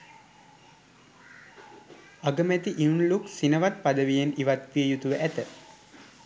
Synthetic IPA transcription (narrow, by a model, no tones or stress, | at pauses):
aɡəmæt̪iʔiunluksinəʋat̪̚pad̪əʋijeniʋat̪ʋiəjut̪uʋəʔæt̪ə